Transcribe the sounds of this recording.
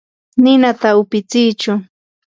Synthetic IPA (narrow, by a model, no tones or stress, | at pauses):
nɪnat̪aʊpɪt͡sɪjt͡ʃʊ